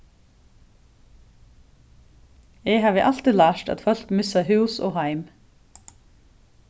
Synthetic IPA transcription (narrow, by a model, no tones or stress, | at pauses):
eːhɑːʋəʔɑl̥t̪ɪlɑːʃt̪ɑ̰ːd̪fœlk̪mʏsɑhʉːso̰ːhɑɪm